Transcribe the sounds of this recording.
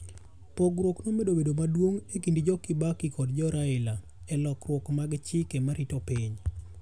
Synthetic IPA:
poɡɾwoknomedobedomadwoŋekindid͡ʒɔkɪbakikɔdd͡ʒɔɾaɪla | ɛlɔkɾwɔkmaɡt͡ʃɪkɛmaɾitopiɲ

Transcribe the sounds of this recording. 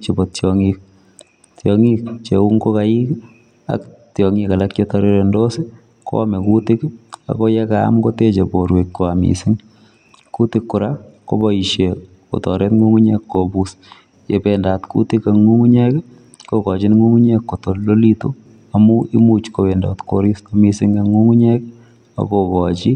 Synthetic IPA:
t͡ʃebɔtjɔŋik̚ | tjɔŋik̚t͡ʃeuŋɡokaik | a̰ktjɔŋikalakt͡ʃɔtɔɾeɾendosɪ | ko̰amɛkutɪka̰kɔjɛka̰ːmkotet͡ʃeboɾwet̚koamḭsɪŋ | kutɪkːʊɾako̰bɔiʃe | ko̰tɔɾɛt̪ŋuŋuɲekːobus | jḛbendat̪kṵtɪkaŋuŋuɲɛk | kokɔt͡ʃinŋuŋuɲɛkːotollolito | amuʔḭmut͡ʃkobɛndat̪koɾisamisɪŋɡeŋuŋuɲɛk | a̰kokɔt͡ʃi

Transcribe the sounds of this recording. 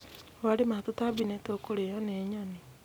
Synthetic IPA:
waɾemat̪otabinɛtɛokoɾejaneɲani

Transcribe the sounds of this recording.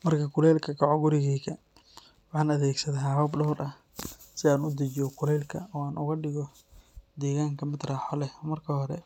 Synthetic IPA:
mɐrkʰɐkʰʊlɛːlkʰɐkʰɔʕɔɡʊɾɪɣiːkʰɐ | wɑħɑːnɐðɛːɡsɐðɐɦaːhɔːbɖɔːɾʔɐ | sɪaːnʊd̪ɐt͡ʃɔkʰʊlɛːlkʰɐ̰ɔːaːnʔʊɣɐɖɪɣɔ | d̪ɛːɣaːŋkʰɐmɪd̪raːħɔlɛmɐrkʰɐhɔɾɛ̰

